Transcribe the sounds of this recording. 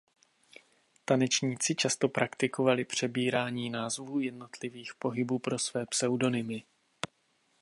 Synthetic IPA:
t̪anɛt͡ʃɲiːt͡sɪt͡ʃast̪o̞pɾʔakt̪ɪko̞valɪpr̝̥ɛbiːɾaːɲiːnaːzvuːjɛdno̞t̪lɪviːxpo̞ɦɪbuːpɾo̞svɛːpsɛwdo̞nɪmɪ

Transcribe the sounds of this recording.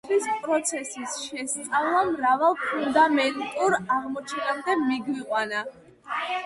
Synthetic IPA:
t̪ʰwispʼɾɔt̪sʰɛsisʃɛst̪sʼavlˠamɾavalˠpʰund̪amɛnt̪ʼuɾaʁmɔt͡ʃʰɛnamd̪ɛmiɡwiqʼwana

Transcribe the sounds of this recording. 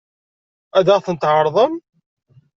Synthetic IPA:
æd̪æʁθənt̪ʕəɾˤðˤəm

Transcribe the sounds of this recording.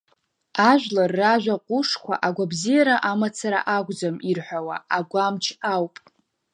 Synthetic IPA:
aʒʷᶣlarːaʒᶣʷaqʷʼʊʂkʷʰa̰ʔaɡʷabzijaɾaʔamat͡sʰaɾa̰ʔaɡʷd͡zamirħʷᶣawa̰aɡʷamt͡ʃʰawpʼ

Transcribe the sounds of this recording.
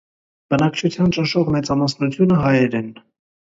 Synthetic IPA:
b̥ənɑkt͡ʃʰut͡s̪ʰjɑnt͡ʃənʃɔʁmɛt͡sɑmɑsnut͡s̪ʰjunəɦɑjɛɾɛn

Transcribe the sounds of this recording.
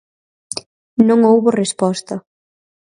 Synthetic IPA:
nõŋowβorespɔst̪ɐ

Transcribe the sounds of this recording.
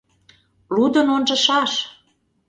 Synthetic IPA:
lud̪ənonʒə̆ʃɑʃ

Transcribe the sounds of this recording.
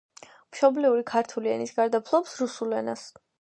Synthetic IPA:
mʃɔbliuɾikʰaɾt̪ʰuliɛ̰nisɡaɾd̪apʰlˠɔpsɾusulɛnas

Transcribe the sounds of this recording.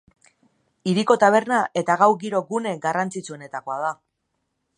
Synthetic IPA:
iɾiko̞t̪aβ̞e̞ɾnaʔe̞t̪aɣawɣiɾo̞ɡune̞ɡarant͡sit͡sue̞ne̞t̪ako̞aða

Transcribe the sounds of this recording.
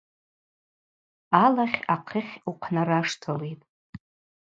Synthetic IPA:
alaχʲaqʰəχʲuqʰnaraʂtʰalejtʼ

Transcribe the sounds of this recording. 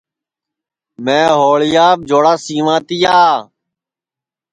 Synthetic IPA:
mɛ̃ːɦoːɭɪjaːb̚d͡ʒoːɽaːsiːʋãːt̪ɪjaː

